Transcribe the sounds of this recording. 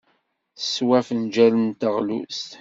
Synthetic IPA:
θəswæfənd͡ʒælənt̪əʁlṵst̪

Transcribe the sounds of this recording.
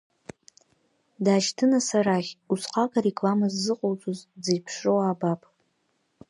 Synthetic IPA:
daːʃtʰɨnasaɾaχʲusqʰakʼaɾekʼlamazːɨqʼowt͡sʼozd͡zijpʰʂrowaːbapʼ

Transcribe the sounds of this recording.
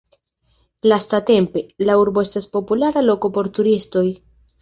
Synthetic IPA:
lastate̞mpe̞lauɾbo̞e̞staspo̞pulaɾalo̞ko̞po̞ɾtuɾisto̞j

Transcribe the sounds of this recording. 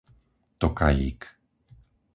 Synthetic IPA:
t̪okajḭk

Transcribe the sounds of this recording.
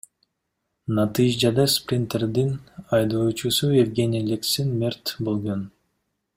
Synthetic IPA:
nɑt̪ɨʒd͡ʒɑd̪ɑsprʲɪnt̪erd̪inɑjd̪uːt͡ʃusuevɡʲenʲilʲeksinmʲert̪bolˠɡon

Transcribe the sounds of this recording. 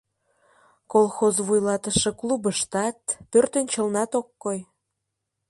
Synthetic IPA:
kolˠxozβujlɑt̪əʃeklubəʃt̪ɑt̪̚pørt̪ənt͡ɕəlnɑt̪okːoj

